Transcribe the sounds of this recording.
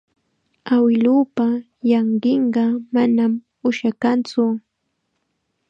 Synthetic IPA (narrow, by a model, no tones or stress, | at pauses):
awɪluːpa | jɑɴɢeɴɢɑmanam | ʊʃakant͡sʊ